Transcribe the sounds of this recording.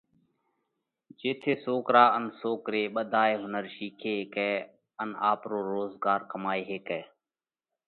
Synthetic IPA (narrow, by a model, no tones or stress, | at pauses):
d͡ʒeːt̪ʰeːsoːkɾaːənsoːkɾeːɓəd̪ʱaːeːɦʊnəɾʃiːkʰeːɦeːkɛː | əna̰ːpɾoːɾoːzɡaːɾkəmaːeːɦeːkɛː